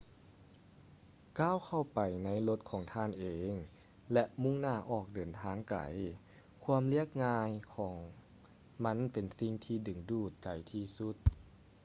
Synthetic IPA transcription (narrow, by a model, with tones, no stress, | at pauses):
kaː˧˥˨wkʰa˧˩wpa˨˩jna˧˥jlo˧t̪̚kʰɔː˩˦ŋt̪ʰaː˧˥˨nʔeː˨˩ŋ | lɛ˧ʔmu˧˥˨ŋnaː˧˩ʔɔː˧˨˩k̚dɤː˨˩nt̪ʰaː˧˥˨ŋka̰˨˩˦j | kʰuː˧˥əmli˧˥˩ək̚ŋaː˧jkʰɔː˩˦ŋ | ma˧˥˨npe˨˩nsi˧˩ŋt̪ʰiː˧˩dɯ˨˩ŋduː˧˩t̪̚t͡ɕa˨˩jt̪ʰiː˧˩su˧˥t̪̚